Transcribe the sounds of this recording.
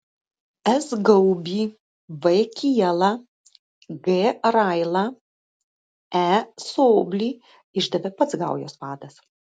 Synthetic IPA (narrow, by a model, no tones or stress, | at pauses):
ɛsɡɐʊbʲiː | ʋɛkʲiɛlˠɐ | ɡeɾaɪlˠɐ | æsoːbʲlʲiː | ɪʒd̪ɐʋʲɛpɐt̪sɡɐˑʊjoːspɑːd̪ɐs